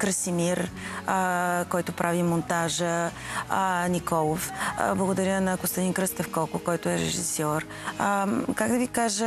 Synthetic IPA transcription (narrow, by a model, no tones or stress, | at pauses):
kɾəsimiɾ | kɔjt̪ʊpɾʔavimont̪aʒə | nikɔlˠofblˠəɡod̪ɐɾjənɐɡost̪ɐd̪inkɾəst̪ɛfkɔlˠkʊkɔjt̪ʊɛɾɛ̰ʒḭsjɔɾ | kaɡd̪ɐvikaʒə